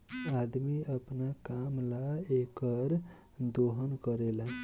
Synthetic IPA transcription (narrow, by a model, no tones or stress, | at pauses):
ad̪miəpnakamlaekəɾ | d̪oɦənkəɾela